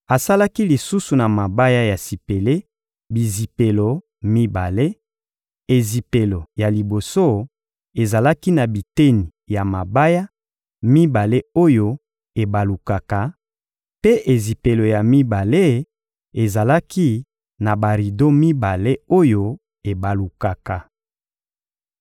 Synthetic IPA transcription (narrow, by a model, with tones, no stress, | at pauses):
a˨sa˦la˦ki˦li˨su˦su˨na˨ma˨ba˦ja˦ja˨si˨pe˨le˦ | bi˨zi˨pe˨lo˨ | mi˦ba˨le˦ | e˨zi˨pe˨lo˨ja˨li˨bo˨so˦ | e˨za˨la˦ki˦na˨bi˨te˦ni˨ja˨ma˨ba˦ja˦ | mi˦ba˨le˦o˦jo˦ | e˨ba˨lu˨ka˨ka˨ | pe˦ʔe˨zi˨pe˨lo˨ja˨mi˦ba˨le˦ | e˨za˨la˦ki˦ | na˨ba˨ʁi˨do˦mi˦ba˨le˦o˦jo˦ | e˨ba˨lu˨ka˨ka˨